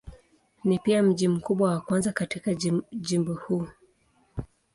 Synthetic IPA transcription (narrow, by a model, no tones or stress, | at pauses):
nipiam̩ʄim̩kuɓwawakwanzakatikaʄimbɔhuː